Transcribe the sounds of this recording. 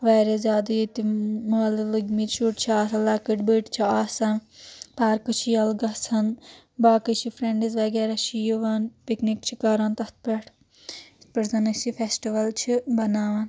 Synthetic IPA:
ʋaːɾezʲjaːd̪ɐjit̪imallɨɡmit̪t͡ʃʰuʈt͡ʃʰiaːsɐlaːkɨʈbəːʈt͡ʃʰiaːsanpaːɾkɨt͡ʃʰijɐlɡɐsʰɐn | baːkɨt͡ʃʰipʰɾeɳɖizʋɐɡɛːɾaʃʰijoʋaːnpiknikt͡ʃʰikaːɾaːnt̪ɐt̪̚peʈʰ | t̪̚pɐɾzɐnɐt͡ʃifʰesʈiʋɐlt͡ʃʰibɐnaːʋɐn

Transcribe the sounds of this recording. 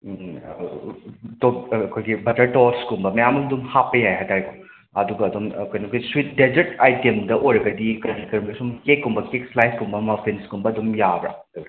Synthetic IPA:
tokːkʰojɡibɐtɐɾʈɔɾskumbɐmɐjamɐd̪umhapɐjajɦat̪aɾiku | ɐduɡɐːd̪umkojnɐkojswit̚ded͡ʒetajtemdɐʔojɾɐɡɐdikɐdikɐɾmbesumkekːumbɐkekslajskumbɐmɐpʰinskumbɐːd̪umjabɾa̰ | ɐ

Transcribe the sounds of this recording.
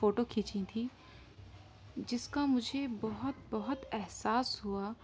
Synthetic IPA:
foːʈokʰiːt͡ʃĩt̪ʰiː | d͡ʒɪskamʊd͡ʒʱebɔɦʊt̪̚bɐɦʊt̪ɛɦsaːsɦua

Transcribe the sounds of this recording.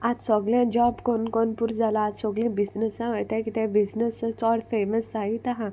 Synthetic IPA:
at̪sɔɡljãd͡ʒɔbkonkonpuɾd͡zalaːt̪sɔɡlĩbisnəsãʋojt̪ãkit̪ɛ̃biznəsət͡sɔːɽfeməsait̪aɦã

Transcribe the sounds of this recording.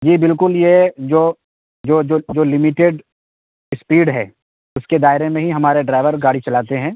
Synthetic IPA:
d͡ʒiːbɪlkʊljed͡ʒoː | d͡ʒoːd͡ʒoːd͡ʒoːlɪmiʈeːɖ | ɪspiːɖɦɛː | ʊsked̪aːɪɾemẽɦiɦɐmaːɾeɖɾaːɪʋəɾɡaːɽit͡ʃɐlaːt̪eɦɛ̃ː

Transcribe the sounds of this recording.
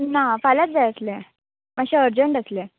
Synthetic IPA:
nafalat͡s̚d͡zajəsle | maɕiəɾd͡ʑəɳʈəsle

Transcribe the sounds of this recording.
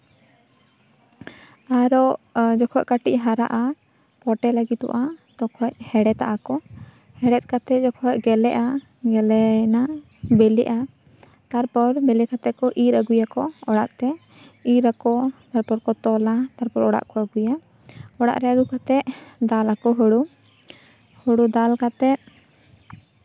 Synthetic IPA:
aɾɔʔd͡ʒɔkʰɔckaʈic̚ɦaɾa̰ʔa | pɔʈɛlaɡit̪̚ɔ̰ʔat̪ɔkʰɔchɛɽɛt̪a̰ʔakɔ | hɛɽɛt̪̚kat̪ɛd͡ʒɔkʰɔcɡɛlɛʔa | ɡɛlɛna | bɛlɛ̰ʔa | t̪aɾpɔɾbɛlɛkat̪ɛkɔʔiɾəɡujakɔɔɽa̰ʔt̪ɛ | iɾakɔt̪aɾpɔɾkɔt̪ɔlat̪aɾpɔɾɔɽa̰ʔkɔəɡuja | ɔɽa̰ʔɾɛaɡukat̪ɛʔd̪alakɔɦoɽu | hoɽud̪alkat̪ɛt̪̚

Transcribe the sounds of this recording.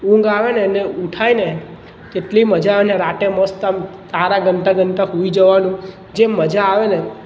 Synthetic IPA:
ũŋɡaʋeneneuʈʰaine | d͡ʒeʈliməd͡ʒaːʋeneɾaʈeməst̪amt̪aɾaɡəɳʈaɡəɳʈaɦuid͡ʒəʋanũ | d͡ʒeməd͡ʒaːʋene

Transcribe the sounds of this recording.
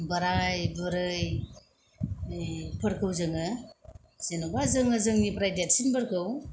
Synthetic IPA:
bəɾajbɯɾɯj | pʰəɾkʰɯwzɯŋɯ | senubazɯŋɯzɯŋnipɾajdat̚sinbəɾkʰɯw

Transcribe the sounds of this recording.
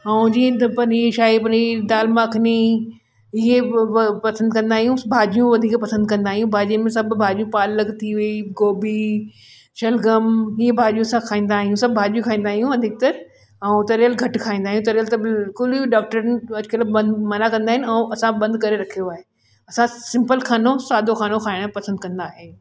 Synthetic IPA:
ãd͡ʑĩːd̪ɐpɐniʃaːipɐɲid̪aːlmãɐkʰɪni | ɪɦepɐsə̃nd̪kɐ̃nd̪aːɦijũbʱaːd͡ʒijũʋɐd̪ʱiːkpɐsə̃nd̪̚kɐ̃nd̪aːɦijũbʱaːd͡ʒijə̃mẽsɐbʱbʱaːd͡ʒijũpaːlːɐɡt̪ʰiʋɐiɡoːbi | ʃɐlɡəmiɦebʱaːd͡ʒijũɐsãkʰaːĩːnd̪aːɦijũsɐbbʱaːd͡ʒijũkʰaːĩːnd̪aːɦijũɐd̪ʱɪk̚t̪ɐɾ | ɐũt̪ɐɾjəlɡʱɐʈkʰaːĩːn̆d̪aːɦijũt̪ɐɾjəlt̪ɐbkʊlɖaːk̚ʈəɾnɪ̆ɐd͡ʑkɐləbbɐ̃nd̪mɐnakɐ̃nd̪aːɦɪnɪɐ̃ʔɐsãbɐ̃nd̪kɐɾeɾɐkʰijoaːɦeː | ɐsãsɪ̃mpəlxʰaːnosaːd̪ʱoxʰaːnokʰaːɪɽ̃pɐsə̃nd̪kɐ̃nd̪aːɦeː

